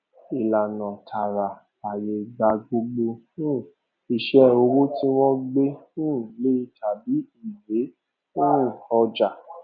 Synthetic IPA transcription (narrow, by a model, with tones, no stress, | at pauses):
i˨la˨nã˨tʰa˨ɾa˨ | a˨je˨˧ɡ͡ba˧ɡo˧ɡ͡bõ˧˦˨ | i˨ʃɛ˧˦o˧wo˦ti˦w̃ɔ̃˦ɡ͡bẽ˦˨le˦i˧tʰa˨bi˨˦i˦˨le˨˦ | ũ˦˨ɔ˧d͡ʒa˨